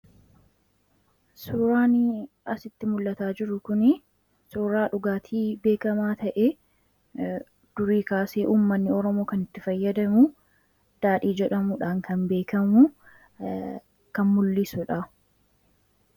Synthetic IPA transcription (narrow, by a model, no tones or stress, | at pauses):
suːɾaːnɪ | ɐsɪt̪ːɪmʊlːɐt̪aːd͡ʒɪɾʊkʊnɪ | suːɾaːᶑʊɡaːt̪ʰiːbe̞ːkɐmaːt̪ɐʔɛ | d̪̥ʊɾiːkaːseːʔuːmːɐnːɪɔɾɔmo̞ːkɐnɪt̪ːɪfɐjːɐd̪ɐmʊ | d̪̥aːᶑiːd͡ʒɛᶑɐmʊᶑaːŋkɐnbe̞ːkɐmu | kɐnmʊlːɪsʊᶑɐ